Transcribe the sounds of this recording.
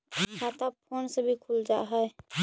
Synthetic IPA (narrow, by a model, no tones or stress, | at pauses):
kʰaːt̪apʰoːnsebʱikʰuld͡ʒa̰ːɦɛɛ